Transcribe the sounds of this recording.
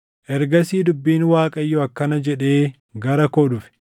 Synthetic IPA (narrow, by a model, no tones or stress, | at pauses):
ʔɛɾɡɐsiːd̪ʊbːiːnwaːkʼɐjːʊɐkːɐnɐd͡ʒɛᶑe̞ː | ɡɐɾɐkoːᶑʊfɛ̥